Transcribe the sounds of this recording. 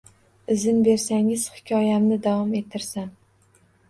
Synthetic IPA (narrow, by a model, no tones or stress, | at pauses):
ɪzɪnbe̞ɾsaŋɪz̥hɪ̥kʲʰɒjamnɪd̪avɒme̞t̪ʰːɪɾsam